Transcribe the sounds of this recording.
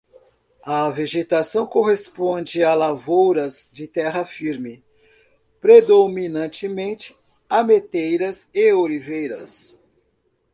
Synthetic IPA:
ɐveʒet̪asɐ̃w̃koɦespõnd͡ʒɪalavowɾɐzd͡ʒɪt̪ɛɦɐfiɾmɪ | pɾed̪ominɐ̃nt͡ʃɪmẽnt͡ʃɪ̥ | amet̪ejɾɐzeoɾivejɾɐ̰s

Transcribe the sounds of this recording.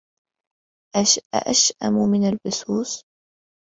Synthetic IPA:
ʔa̰ʔaʃʔa̰mumɪnalbʊsuːs

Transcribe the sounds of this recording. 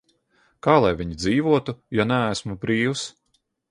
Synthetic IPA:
kaːlˠajvʲiɲid̪ziːvuɔt̪ujanæːsmubɾiːws

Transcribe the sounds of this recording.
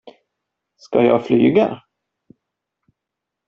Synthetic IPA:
skajɑːɡfly̰ːɡa

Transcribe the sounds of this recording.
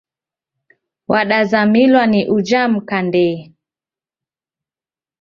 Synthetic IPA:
waɗazamilwaniʔud͡ʒam̩kandɛ

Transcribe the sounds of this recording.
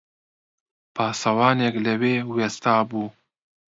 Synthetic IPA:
pʰɑːsɐwɑːnekləweːwest̪ɑːbuː

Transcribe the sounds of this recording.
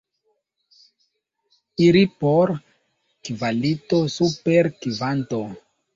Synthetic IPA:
iɾipoɾ | kivalito̞supeɾkivanto

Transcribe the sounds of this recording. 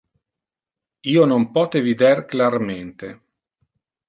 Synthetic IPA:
iːonompɔːt̪evid̪erklarment̪e

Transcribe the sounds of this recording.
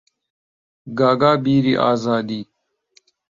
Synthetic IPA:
ɡaːɡaːbiːɾiʔa̰ːzaːd̪iː

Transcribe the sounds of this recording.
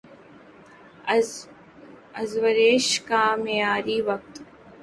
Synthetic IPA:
əzʋəɾeːʃkamejaːɾiʋɐk̚t̪

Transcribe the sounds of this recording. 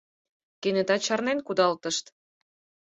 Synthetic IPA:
kened̪ɑt͡ɕɑrnenkud̪ɑlt̪ə̆ʃt̪

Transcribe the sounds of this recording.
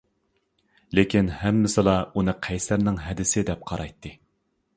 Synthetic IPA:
lekʲinhɛmːɪsɨlˠɑunɨqʰɛjsæɾnɪŋɦɛd̪ɪsɪd̪ɛp̚qʰɑɾɑjt̪ʰːɨ

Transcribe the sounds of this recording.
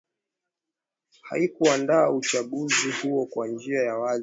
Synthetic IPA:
ha̰ikuandaːut͡ʃaɠuzihuɔkwand͡ʒiajawaz

